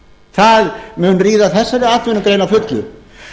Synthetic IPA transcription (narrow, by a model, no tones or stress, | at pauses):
θaðmɛnriːðaθɛsːaɾɪat̪vʏnʏmkɾeːjnawfʏt̪lʏ